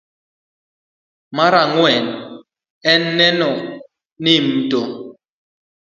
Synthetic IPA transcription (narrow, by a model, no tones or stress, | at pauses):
maɾaŋwɛn | ɛnːɛnɔ | nim̩to